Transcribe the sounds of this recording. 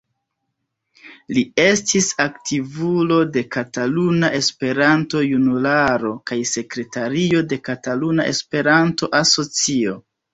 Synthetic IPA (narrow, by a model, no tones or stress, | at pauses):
lie̞stisaktivulode̞katalunaʔe̞spe̞ɾanto̞junulaɾo̞kajse̞kɾe̞taɾio̞de̞katalunaʔe̞̰spe̞ɾanto̞ʔaso̞t͡sio̞